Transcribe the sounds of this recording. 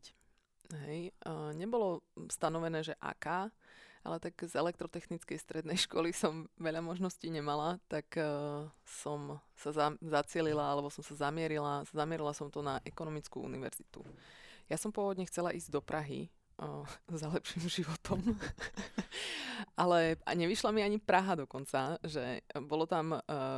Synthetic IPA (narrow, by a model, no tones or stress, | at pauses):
ɦɛjɲɛbɔlɔst̪anɔʋɛnɛːʒɛʔa̰ːkaːʔa̰lɛt̪aɡzɛlɛk̚t̪ɾɔt̪ɛxnit͡skɛjst̪ɾɛd̪nɛjʃkʊɔ̰lisɔmʋɛʎamɔʒnɔsciːɲɛmalat̪ak | sɔmsazazat͡sɪɛlilaalɛbɔsɔmsazamɪɛɾilazamɪɛɾilasɔmt̪ɔnaʔɛkɔnɔmit͡skṵːṵniʋɛ̰ɾzit̪ṵjasɔmpʊɔʋɔd̪ɲɛxt͡sɛlaʔiːzɟd̪ɔpɾaɦḭ | zalɛpʃimʒiʋɔt̪ʰɔm | ʔalɛa̰ɲɛʋiʃlamiaɲipɾaɦad̪ɔkɔnt͡saʒɛbɔlɔt̪am